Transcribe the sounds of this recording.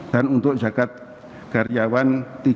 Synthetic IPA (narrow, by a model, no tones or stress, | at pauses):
t̪anund̪oʔʒakat̪̚ | kaɾjaβant̪i